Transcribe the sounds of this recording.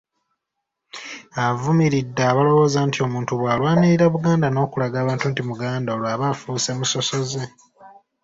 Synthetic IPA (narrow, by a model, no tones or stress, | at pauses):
avumiɾidːaːβalo̞βo̞ːzaːntio̞muːntuβwaːlwaːniɾiɾaβuɡaːndano̞ːkulaɡaːβaːntuntimuɡaːndaolwaːβafuse̞muso̞so̞ze̞